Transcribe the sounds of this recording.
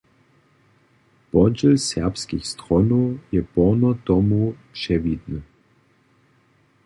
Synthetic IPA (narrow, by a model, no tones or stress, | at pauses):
pɔd͡ʑɛlsɛɐpskixst̪ʁɔnɔjɛpɔnɔt̪ɔmupʂɛvid̪nɨ